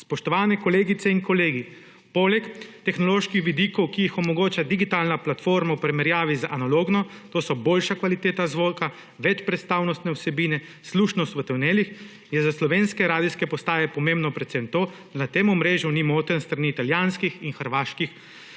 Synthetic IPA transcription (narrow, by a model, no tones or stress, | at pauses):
spɔʃt̪ɔʋaːnɛkɔleːɡit̪sɛinkɔleːɡi | poːlɛkt̪ɛxnɔloːʃkixʋid̪iːkɔwkijixɔmɔɡoːt͡ʃad̪iɡit̪alnaplat̪foːɾmawpɾɛmɛɾjaːʋizaʔanaloːɡnɔ | t̪oːsɔboːlʃakʋalit̪eːt̪azʋoːlka | ʋɛt͡ʃpɾɛt̪st̪aːwnɔst̪nɛɔwsɛbiːnɛ | sluːʃnɔst̪ʋət̪ɛwneːlix | jɛzaslɔʋeːnskɛɾaːd̪iskɛpɔst̪aːjɛpɔmembnɔpɾɛt̪sɛmt̪oːd̪anat̪eːmumɾeːʒjunimoːt̪ɾənst̪ɾaniːt̪aljaːnskixinxəɾʋaːʃkix